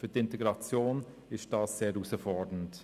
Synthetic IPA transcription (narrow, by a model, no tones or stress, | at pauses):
fytɪnteɡɾɑt͡sjoːn | ɪʃtd̥ɑːsːeːɾusəfɔɹdən̩t